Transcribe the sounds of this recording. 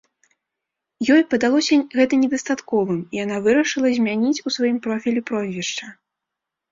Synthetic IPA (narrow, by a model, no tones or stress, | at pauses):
jɔjpɐd̪alˠɔsʲɐɣɛt̪ɐnʲɛd̪ɐst̪at̪kɔvɨmijan̪avɨɾɐʂɨlˠɐzʲmʲanʲit͡sʲusvajimpɾɔfʲilʲipɾɔzʲvʲɛʂt͡ʂɐ